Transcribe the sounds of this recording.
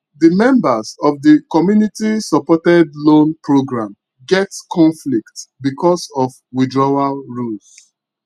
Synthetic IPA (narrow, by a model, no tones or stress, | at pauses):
dəmɛ̃mbasɔvdəkɔmjunitisɔpɔtɛdlõnpɹoɡɹãm | ɡɛtkʰɔ̃nfliktbikɔsɔf | widɹɔwalɹuls